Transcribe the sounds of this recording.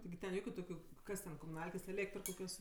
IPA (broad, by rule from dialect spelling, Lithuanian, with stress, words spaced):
tʲɪɡʲɪ tʲɛn ˈjoːkʲʊ ˈtoːkʲʊ ˈkɐs tʲɛn koːmʊˈnɐlʲkʲeːs ɛˈlʲeːktr koːˈkʲoːs